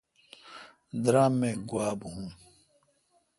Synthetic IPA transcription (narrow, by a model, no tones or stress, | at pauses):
d̪ɾãːmːẽːɡwaːbɦũː